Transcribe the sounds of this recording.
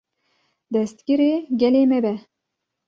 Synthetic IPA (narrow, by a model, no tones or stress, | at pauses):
d̪ɛst̪ɡʲiɾeːɡʲɛleːmɛbɛ